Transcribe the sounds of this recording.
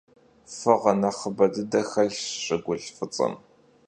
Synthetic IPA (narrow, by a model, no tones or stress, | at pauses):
fɨʁɐnɐχəbɐdɨdɐxɐɮɕʼɪɡʷʊɬfɨt͡sʼɐ̰m